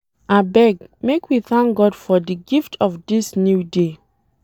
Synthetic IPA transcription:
abɛɡmekʰwiθãŋk̚ɡɔdfɔdiɡiftʰɔfdisnjude

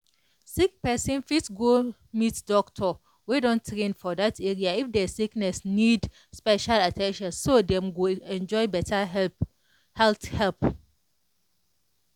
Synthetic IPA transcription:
sik̚pɛsĩnfitɡo | mitdɔktʰɔ | wedɔ̃ntʰːɹẽnfɔdatʰeɹiaifdɛsiknɛsnid | spɛʃalatʰɛ̃nʃɔ̃nsodɛ̃mɡoɛ̃nd͡ʒɔɪbɛtʰaɛ | hɛlθhɛlp

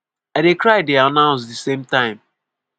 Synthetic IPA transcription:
adekɾaɪdeanãʊ̃nsdɪsẽmtãɪ̃m

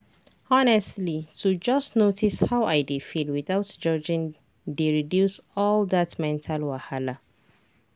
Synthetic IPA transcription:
ɔnɛstlitʰud͡ʒasnotʰishawʔajdefilwiθawtd͡ʒɔd͡ʒĩn | deɹidjusɔld̪atmɛ̃ntʰalwahala

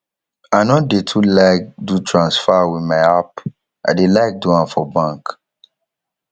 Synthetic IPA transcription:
aɪnɔdetʰulaɪk̚dutʰɹãnsfawimaɪap | a̰delaɪk̚duãmfɔbãŋk

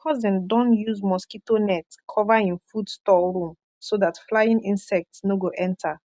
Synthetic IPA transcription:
kʰɔzɛ̃ndɔ̃njuzmɔskitonɛtkʰɔvaĩnfudstɔɹũm | soðatflajĩnĩnsɛk̚tsnoɡoʔɛ̃ntʰa

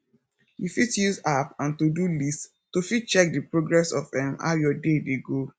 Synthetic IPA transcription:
ifitjuzapãntudulist | tufit͡ʃɛk̚dipɹoɡɹɛsɔvdɛ̃mha̰jɔdedeɡo

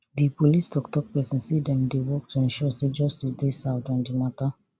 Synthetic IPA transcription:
dipolistɔktɔk̚pɛsɛ̃nsidɛ̃ndewɔk̚tʰuɛ̃nʃɔsed͡ʒɔstisdesavdɔ̃ndimata

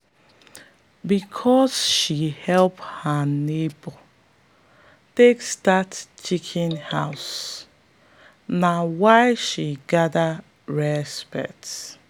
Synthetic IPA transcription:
bikʰɔsʃihɛlphanebo | tekstatt͡ʃikʰĩnhaws | nawaɪʃiɡada | ɹɛspɛ̰k̚t

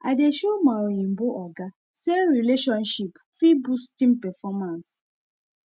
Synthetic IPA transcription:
a̰deʃomaɾɔĩmboʔɔɡa | sɛɹileʃɔ̃nʃip | fibustĩmpɛfɔmãns

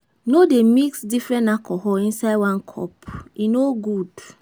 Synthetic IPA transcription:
nodemiksdifɹɛ̃ntakʰɔɦɔĩnsaɪdwãnkʰɔ̰pinoɡud

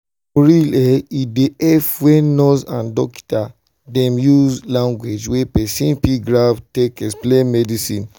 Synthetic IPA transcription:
oɹilɛideɛfwɛnɔsãndɔki̥ta | dɛ̃mjuzlãŋɡwed͡ʒwepɛsĩnpiɡɹavtekɛsplemɛdisĩn

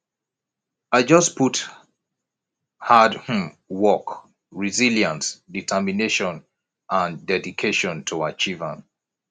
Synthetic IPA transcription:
aɪd͡ʒʌspʰut | hadhũm | wɔk | ɹiziljãnsditʰəmineʃɔ̃n | ʔãndɛdikʰeʃɔ̃ntʰuat͡ʃivə̰̃n

